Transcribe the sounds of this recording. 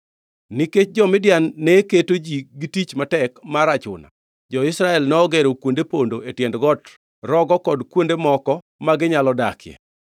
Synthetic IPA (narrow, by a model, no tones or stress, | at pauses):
niket͡ʃ̚d͡ʒɔmɪdjanːeketod͡ʒiɡitit͡ʃmatɛkmaɾat͡ʃʊ̰na̰ | d͡ʒɔɪsɾaɛlnɔɔɡeɾokwondepondoʔetjɛndɡɔt | rɔɡɔkɔdkwondemɔkɔ | maɡɪɲalɔdakʰɪjɛ̰